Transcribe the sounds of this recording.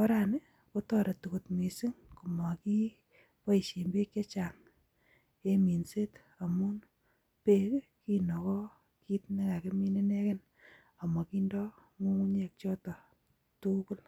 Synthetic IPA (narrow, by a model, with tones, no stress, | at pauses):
ɔ˦ɾa˨nɪ˦ | ko˦tɔɾe˨tu˨ko˨tmi˨si˦ŋku˨mɔ˨ki˦ | pɔ˦i˨ʃe˨mbe˦kje˦t͡ʃa˨ŋ | e˦mi˨nse˦t | a˨mu˦n | pe˦kki˦nɔ˨kɔ˦ | ki˦tne˦ka˨ke˦mi˦ne˦ne˦ke˦n | a˨mɔ˨ki˦ndɔ˦ | ŋu˦ŋu˦ɲe˨k̚t͡ʃɔ˦tɔ˨ | tu˦ku˦l